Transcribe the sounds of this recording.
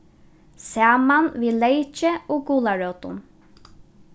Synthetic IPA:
saːmanviːlejt͡ʃɪɔːɡuːlaɹœwt̪ʊ̰n

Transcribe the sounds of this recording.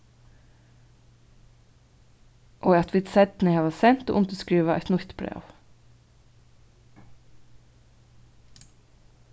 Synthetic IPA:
ʔoːɑt̪ʰʋiːd̪sɛd̪n̩ɛhɑːʋɑsɛnt̪o̰ʔʊnt̪əskɾiːʋɑɛ̰t̪nʊçt̪bɾḛːʋ

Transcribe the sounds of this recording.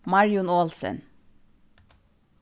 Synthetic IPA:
mɑɹɪʊnoːlsə̰n

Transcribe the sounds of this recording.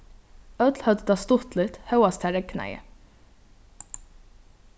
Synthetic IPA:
œt̪lhœd̪t̪ɑst̪ʊt̪lɪt̪hœwast̪ʰɛaɹɛkːna̰jə̰

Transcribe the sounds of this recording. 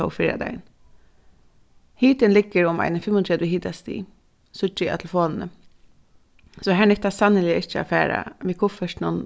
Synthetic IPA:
ɔ̰wfɪːɾa̰d̪a̰ɪn | hiːt̪ɪnlɪkːəɾʊma̰ɪnəfɪmʊnt̪ʰɹɛːd̪wɪhiːt̪ast̪ḭː | sʊt͡ʃɪa̰t̪ʰlfoːlnə | sɔɦæːnɪk̚t̪ːasanːɪlɪəɪt͡ʃəa̰ːfæːɾa̰ʋiːkʰʊfœʂtnʊn

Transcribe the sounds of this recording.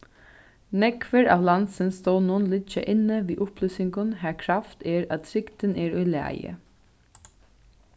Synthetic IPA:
nɛkʋəɾɑ̰ːʋlɑnsənst̪oːwnʊnlɪt͡ʃə̰ʔɪnːəʋiːʔʊpʰlyːsɪŋɡʊnɦæːkʰɾɑft̪ɛɹɑt̪̚t̪ʰɾɪkt̪ənɛːɹʏːlæ̰ːjə̰

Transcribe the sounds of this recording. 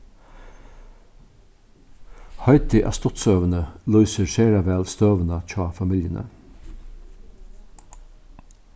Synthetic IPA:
hɑɪt̪ɪʔɑ̰st̪ɔt̪søːʋənəlœʏsəɾʃeːɾɑʋæːlst̪øːʋənɑc͡çʰɑːfɑmɪljənə̰

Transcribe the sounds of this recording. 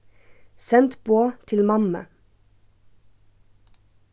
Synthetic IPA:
sɛnt̪b̥oːt̪ʰɪlmɑmə̰

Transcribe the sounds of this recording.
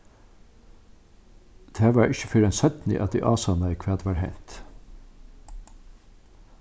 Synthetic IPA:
d̪̥æːʋɑːɾʔɪçəfœːɾɛnsœt̪nɪ̰ʔɑ̰d̪ḭːʔɑːsɑnəiːkʰʋæːd̪ʋɑːɾhæɪnt̪

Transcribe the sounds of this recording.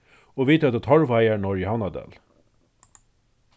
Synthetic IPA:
oːʋiːt̪ɑt̪ːt̪ʰɔɹʋɑjænɔɹjəhɑnɑd̪ɛ̰l

